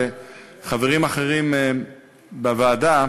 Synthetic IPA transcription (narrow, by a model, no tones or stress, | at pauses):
eχaveʁimaχeʁim | bavaːda